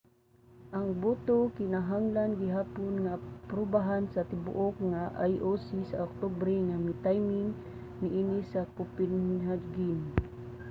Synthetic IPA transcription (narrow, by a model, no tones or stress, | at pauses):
ʔaŋbut̪okɪnaɦaŋlanɡɪɦaːponŋapɾʊbaɦansat̪ɪbʊ̰ʔokŋaʔa̰jʔosisaɔk̚t̪obɾɛŋamɪt̪ajmɪŋ | nɪʔinisakupɪnɦad͡ʒɡin